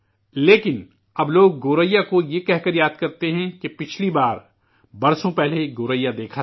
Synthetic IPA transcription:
leːkɪn | ɐbloːɡːoːɾəjːakojekɛɦkɐɾjaːd̪̚kɐɾt̪eɦɛ̃kepɪt͡ʃʰlibaːɾ | bɐɾsõpɛɦleɡoːɾəjad̪eːkʰa

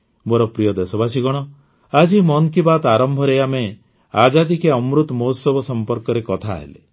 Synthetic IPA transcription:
moɾɔpɾijɔd̪esɔbasiɡɔɽ̃ɔ | ad͡ʒimɔŋkibat̪aɾɔmbʱɔɾejame | ad͡ʒad̪ikeɔmɾut̪mosɔbɔsɔmpɔɾkɔɾekɔt̪ʰa̰ɦḛlḛ

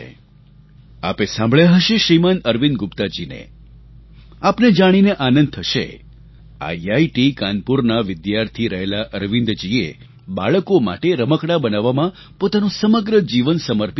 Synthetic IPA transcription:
a̰pesãmbʱɭjeɦəʃeʃɾimanəɾʋind̪ɡʊpt̪ad͡ʒinḛ | apned͡ʒaɽ̃ineʔanə̃nd̪̚t̪ʰəʃḛ | a̰aiʈikanpuɾnaʋɪd̪jaɾt̪ʰiɾəɦelaʔəɾʋɪ̃nd̪d͡ʒiḛ | ba̰ɭəkoma̰ʈeɾəməkɽabənaʋːamã | pot̪anũsəməɡɾəd͡ʒiʋənsəməɾp

